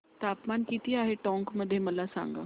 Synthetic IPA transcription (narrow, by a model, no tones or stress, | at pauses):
t̪aːpmaːnkiːt̪iaːɦeʈɔ̃ːŋkmɐd̪ʱːjemɐlasã̰ːŋɡa̰ː